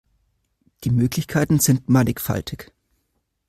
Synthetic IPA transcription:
d̥iːmøːklɪçkʰaɪtn̩z̥ɪntmanɪkfa̰ltʰɪk

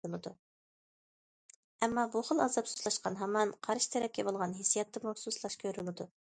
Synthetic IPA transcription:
lˠɨd̪u | ɛmːɑbuχəlˠɑzɑpsuzlˠɑʃqɑnɦɑmːɑnqʰɑɾʃi̥t̪ʰɛɾɛp̚kʲɛbolˠʁɑnɦesijɑt̪ːɨmususlˠɑʃkʲʰøɾylˠɨd̪u

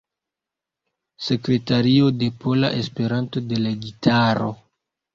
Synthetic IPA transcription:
se̞kɾe̞taɾio̞de̞pʰo̞la̰ʔespe̞ɾanto̞de̞laɡitʰaɾo̞

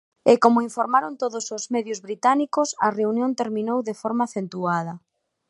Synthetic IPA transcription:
ɪkomʊiɱfoɾmaɾont̪oðosozmɛðjʊzβɾit̪anikʊsɐ̰reunjõnt̪eɾmĩnowðefoɾmaːθent̪uað̞ɐ

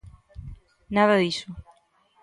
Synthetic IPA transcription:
naðɐðisʊ

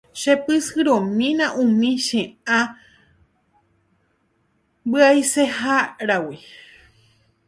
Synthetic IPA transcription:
ʃepɨsɨɾõmĩnãʔũmĩʃẽã | bɨajsehaɾawi

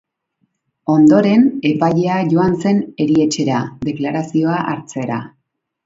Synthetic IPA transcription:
o̞nd̪o̞ɾe̞ne̞paje̞aʝo̞anse̞ne̞ɾie̞t͡ʃe̞ɾad̪e̞klaɾasio̞aʔaɾt͡se̞ɾa̰

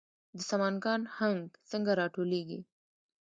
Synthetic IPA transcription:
d̪əsamɑnɡɑnhaŋɡt͡səŋɡaɾɑʈoleɡḭ

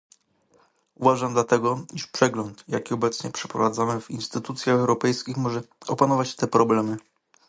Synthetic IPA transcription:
uvaʐamd̪lat̪ɛɡɔiʂpʂɛɡlɔnt̪jakʲiɔbɛt̪sɲɛpʂɛ̥pɾɔvad̪zamɘvinst̪ɘt̪ut̪sʲjaxɛwɾɔpɛjskʲixmɔʐɛɔpanɔvat͡ɕt̪ɛpɾɔblɛmɘ

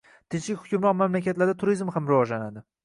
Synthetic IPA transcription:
t̪ʰɪnt͡ʃlɪkʲhʊ̥kʲʊmɾɒqmamlakʲʰat̪laɾd̪at̪ʰʊɾizmhamɾɪvɒʒlanad̪ɪ

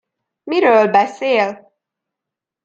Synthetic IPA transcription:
miɾøːlbɛseːl

